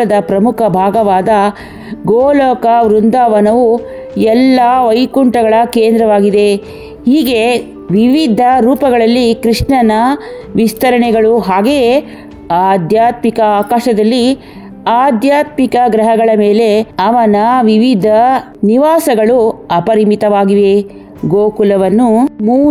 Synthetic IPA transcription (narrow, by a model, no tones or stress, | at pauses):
ɐd̪ɐpɾɐmukʰɐbʱaːɡɐʋaːd̪ɐ | ɡoːlɔːkɐʋɾund̪aːʋɐnɐʋu | ɛlːɐʋɐjkuɳʈɐɡɐɭɐkeːnd̪ɾɐʋaːɡid̪e̞ | hiːɡe | ʋiʋid̪ʱɐɾuːpɐɡɐɭɐlːikɾiʂɳɐnɐ | ʋist̪ɐɾɐɳɛɡɐɭuɦaːɡe | aːd̪ʱjaːt̪mikɐaːkaːʃɐd̪ɐlːi | aːd̪ʱjaːt̪mikɐɡɾɐɦɐɡɐɭɐmeːle̞ɐʋɐnɐʋiʋid̪ʱɐ | niʋaːsɐɡɐɭuɐpɐɾimit̪ɐʋaːɡiʋe̞ | ɡoːkulɐʋɐnːumuː